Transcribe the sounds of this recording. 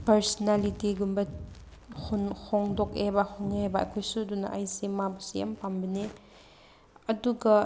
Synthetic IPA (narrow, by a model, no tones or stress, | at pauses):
pɐɾsɔnalitiɡumbɐ | hunhɔŋdok̚ebɐhoŋebɐɐ̰kʰojsuduna̰ʔajsimabɐsia̰mpambɐne | ɐduɡɐ